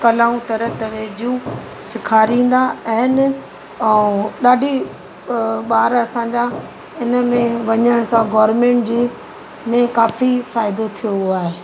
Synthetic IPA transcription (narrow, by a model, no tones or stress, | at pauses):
kɐlaːũt̪ɐɾət̪ɐɾed͡ʑijũ | sɪkʰaːɾĩːn̆d̪aɛɦɪn | ɛɗaːɖʱi | ɓaːɾɐsãːɲd͡ʑa | ɪnə̆mẽʋɐɲəɽ̃sãɡɔːɾmẽːɳʈd͡ʑeː | mẽkaːfifaːɪd̪ot̪ʰijoaːɦeː